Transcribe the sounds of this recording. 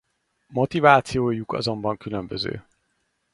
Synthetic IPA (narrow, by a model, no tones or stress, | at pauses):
mo̞t̪ivaːt̪sijoːjukɒ̰zo̞mbɒŋkylømbøzø̰ː